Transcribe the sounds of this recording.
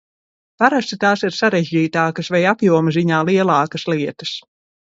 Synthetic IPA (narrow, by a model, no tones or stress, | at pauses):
paɾast̪it̪aːsiɾsaɾɛʒɟiːt̪aːkɐsvɛjapjuɔmziɲaːlˠiɛlˠɑːkɐslˠiɛt̪ɐs